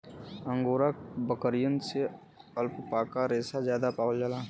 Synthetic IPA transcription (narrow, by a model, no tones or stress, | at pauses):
ə̃ŋɡoːɾakbəkəɾijənse | əlppaːkaɾeːsazjaːd̪apaːwəld͡ʒalaː